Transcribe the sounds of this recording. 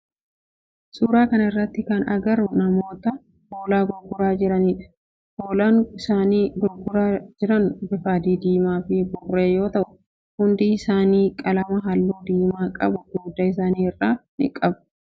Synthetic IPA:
suːɾaːkɐnɐɪrːɐt̪ːɪkɐnɐ̰ɡɐɾʊnɐmo̞ːt̪ɐ | hoːlaːɡɔɡʊɾaːd͡ʒɪɾɐniːᶑɐ̥ | hoːlanɪsaːniːɡɔɾɡʊɾaːd͡ʒɪɾɐnʊbɪfaːd̪iːd̪iːmaːfɪbʊrːeːjo̞ːt̪ɐʔʊ | hʊnd̪iɪsaːniːkʼɐlɐmɐɦɐlːuːd̪iːmaːkʼɐ̰bʊɡuːd̪ɐɪs̬aːniːɪrːaːnɪ̰kʼɐbɐ̥

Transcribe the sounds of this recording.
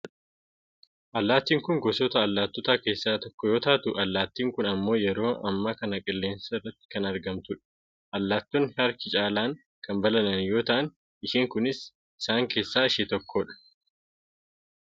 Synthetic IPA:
ʔɐlːaːt̪ːiːŋkʊŋɡɔsɔt̪ɐːlːaːt̪ːɔt̪aːke̞ːsːaːt̪ɔkːɔjo̞ːt̪aːt̪ʊʔɐlːaːt̪ːiːŋkʊnɐmːo̞ːjɛɾo̞ːʔɐ̰mːaːkɐnɐkʼɪlːe̞ːnsɐɪrːɐt̪ːɪ̥kɐnɐɾɡɐmt̪ʊᶑ̥ | ʔɐlːaːt̪ːɔnːɪɐɾkɪt͡ʃʼaːlaːŋ | kɐmbɐlɐnɐnjo̞ːt̪ɐʔɐn | ɪʃiːŋkʊnɪs | ɪsaːŋke̞ːsːaːɪʃeːt̪ɔkːoːᶑɐ̥

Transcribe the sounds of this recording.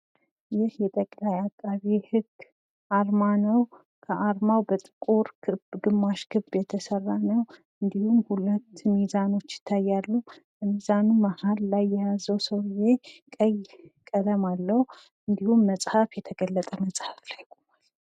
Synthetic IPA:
jɪhjɛt̪ʼəkʼlajakʼːaβihɨɡː | ʔaɾmanow | kʰəʔaɾmawbət̪ʼɨkʼuɾkʰɨbɡɨmːaʃkʰɨbːjɛt̪ʰəsərːanəw | ɨnd̪ihumhulət̪ːmizano̞t͡ʃːjɪ̥t̪ʰːajːalːubəmizanumahalːajːɛjazəwsəwɨje̞kʼəjkʼəd̪əmalːəhu | ɨnd̪ihumːəsʼhafjɛt̪ʰəɡəlːət̪ʼəməsʼhaflajkʼomal

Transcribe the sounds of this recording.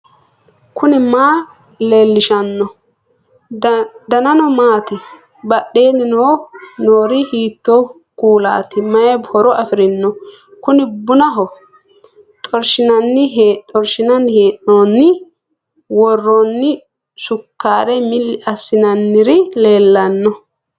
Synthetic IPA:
kʰʊnɪmaː | le̞ːlːɪʃɐnːɔ | d̪ɐnɐnɔmaːt̪ɪ | bɐɗːe̞ːnɪnoːnoːɾɪhiːt̪ːo | kuːla̰ːt̪ɪmɐjɛbhɔɾɔʔɐfɪɾɪnːɔ | kʊnɪbʊnɐɦɔ | t̪ʼɔɾʃɪnɐnːɪɦeːʔɔɾʃɪnɐnheːʔoːnːɪ | wɔrːɔnːɪ | sʊkːaːɾɛmɪlːɪʔɐsːɪnɐnːɪɾɪle̞ːlːɐnːɔ

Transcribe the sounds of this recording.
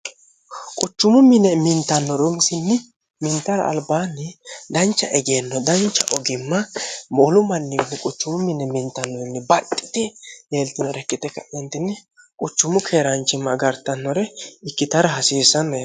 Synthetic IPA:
kʼʊt͡ʃːʊmʊmɪnɛmɪnt̪ːɐnːɔɾʊmɪsɪnːɪ | mɪnt̪ɐɾɐ̰ːlbaːnːɪd̪ɐnt͡ʃːɐʔɛɡenːɔd̪ɐnt͡ʃːɐ̰ʔɔɡɪmːɐmɔːlʊmɐnːɪɡɪnːɪkʼʊt͡ʃːʊmʊmɪnɛmɪnt̪ːɐnːɔɪnːɪbɐt̪ʼːɪ̥t̪ɪleːlt̪ːɪnɔɾɛkːɪt̪ɛkːɐ̰ʔɛnt̪ɪnːɪ | kʼʊt͡ʃːʊmʊkʰeːɾɐnt͡ʃːɪmːɐɡɐɾt̪ːɐnːɔɾɛɪkːɪt̪ɐɾɐɦɐsiːsːɐnːɔj

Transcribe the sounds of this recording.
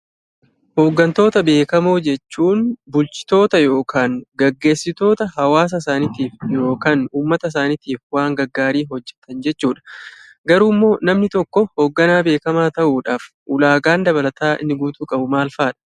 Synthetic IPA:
ho̞ːɡːɐnt̪o̞ːt̪ɐbe̞ːkɐmoːd͡ʒɛt͡ʃːuːnbʊlt͡ʃɪ̥t̪o̞ːt̪ɐjo̞ːkʰaːŋɡɐɡːe̞ːsːɪt̪o̞ːt̪ɐɦɐwaːs̬ɐɪsaːnɪt̪iːfjo̞ːkaːnuːmːɐt̪ɐɪs̬aːnɪt̪iːfwaːŋɡɐɡːaːɾiːɦɔd͡ʒːɛ̥t̪ɐnd͡ʒɛt͡ʃːuːᶑɐ̥ | ɡɐɾuːmːo̞ːnɐmnɪt̪ɔkːɔhoːɡːɐnaːbe̞ːkɐmaːt̪ɐʔuːᶑaːf | ʔʊlaːɡaːnd̪ɐβɐlɐt̪aːʔɪ̰nːɪɡuːt̪uːkʼɐbʊmaːlfaːᶑɐ̥

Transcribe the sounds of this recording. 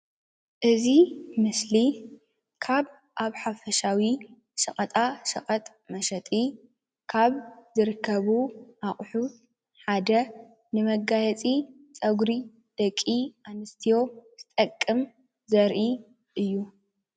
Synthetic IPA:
ʔɨzimɨsli | kʰaβ | ʔaβħafɐʃawi | ʃɐχʼɐt̪ʼaʃɐ̰χʼɐt̪ʼ | mɐʃɐt̪ʼi | kʰaβzɨɾɨkʰːɐβuʔaχʼħu | ħad̪ɐ | nɨmɐɡːajɛt͡sʼi | t͡sʼɐɡɾi | d̪̥ɐkʼːiʔanɨst̪ʰijo̞z̥ɨt̪ʼɐkʼːɨm | zɐɾʔi | ʔɨjːu

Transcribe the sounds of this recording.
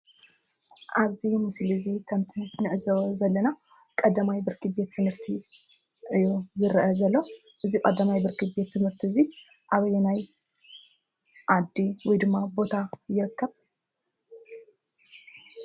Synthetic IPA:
ʔaβzimɨslɨzikʰɐmt̪ʰinɨʔɨzozɐlːɐna | kʼɐd̪ːɐmajbɨɾkɨbe̞t̪ʰːɨmhɨɾt̪ʰi | ʔɨjuzɨɾʔɐzɐlːo̞ʔɨzikʼɐd̪ːɐmajbɨɾkʰɨbe̞t̪ːɨmhɨɾt̪ʰizi | ʔaβɐjnaj | ʔad̪ːiwɔjd̪ɨmːabo̞t̪ʰajɪɾɨkʰːɐβ

